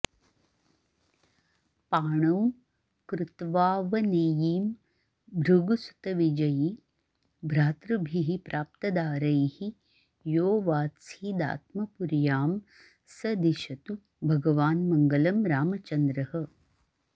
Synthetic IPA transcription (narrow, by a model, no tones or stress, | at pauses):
paːɳɐw | kɾɪt̪ʋaːʋɐneːjiːm | bʱɾuɡusu̥t̪ɐʋid͡ʒɐji | bʱɾaːt̪ɾɐbʱiɦipɾʔaːp̚t̪ɐd̪aːɾɐjhi | joːʋaːsiːd̪a̰ːt̪̚mɐpuɾjaːm | sɐd̪iʃɐt̪u | bʱɐɡɐʋaːnmɐŋɡɐlɐmɾaːmɐt͡ʃɐnd̪ɾɐhɐ